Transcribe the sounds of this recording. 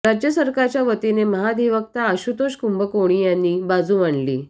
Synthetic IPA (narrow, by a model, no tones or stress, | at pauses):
ɾad͡ʑjəsəɾkaɾt͡ɕjaʋət̪ineməɦad̪iʋək̚t̪aəɕut̪oɕkumbəkoɽ̃iːjanːiːbad͡zuːmaɳlḭː